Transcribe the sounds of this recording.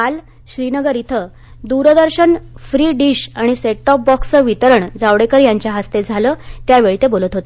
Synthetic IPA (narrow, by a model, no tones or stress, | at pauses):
al | ɕɾinəɡəɾit̪ʰə | d̪uɾd̪əɾɕənfɾiːɖiɕaɽ̃iseʈɔpbɔksəʋit̪əɾəɳd͡zaʋɽekəɾjaɲt͡ɕjaɦast̪ed͡zʱaləːt̪jaʋeɭit̪ebolət̪ɦot̪e